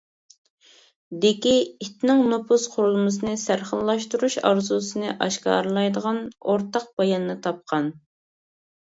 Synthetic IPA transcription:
d̪ɪkʲiit̪nɪŋnopʰusqʰʊɾulˠmɨs̬ɨnɨsæɾχəlˠːɑʃt̪uɾuʃɑ̰ɾzusɨnɨʔɑʃkɑ̰ːɾlˠɑjd̪əʁɑnoɾt̪ɑq̚b̥ɑjɑnnɨt̪ʰɑp̚qʰɑn

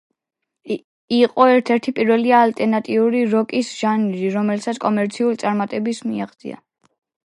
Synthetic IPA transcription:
iqʼɔɛɾt̪ʰɛɾt̪ʰipʼiɾvɛliaːlt̪ʼɛɾnat̪ʼiuɾiɾɔkʼisʒ̥aniɾiɾɔmɛlsat̪skʼɔmɛɾt̪sʰiulit̪sʼaɾmat̪ʼɛbismiaχd̪z̥ʼḭa̰

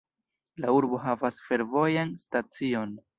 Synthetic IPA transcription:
lauɾbo̞ɦavasfe̞ɾvo̞janstat͡sio̞n

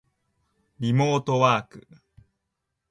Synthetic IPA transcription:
ɾimoːt̪owaːkɯ̰

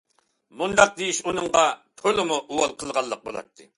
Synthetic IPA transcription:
mund̪ɑq̚d̪ejiʃunɨɴʁɑt̪ʰølɪmuʔuwɑlˠqʰəlˠʁɑlˠːəq̚bo̰lˠɑ̰t̪ʰːɨ

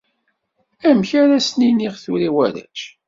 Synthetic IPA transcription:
æmçæɾæsniniʁθuɾiwæɾæ̰t͡ʃ

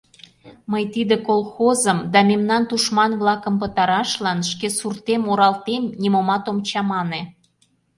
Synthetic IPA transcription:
məjt̪id̪ekolˠxozəmd̪ɑmemnɑnt̪uʃmɑnβlɑkə̆mpət̪ɑɾɑʃlɑnʃkesurt̪emoɾɑlt̪emnʲimomɑt̪omt͡ɕɑmɑne

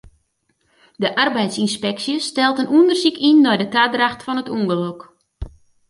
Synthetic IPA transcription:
dəʔarbɛjtsinspɛksjəstɛlˠtənʔundərsikʰinːɔjdətadraxtfɔnətuŋɡəlok

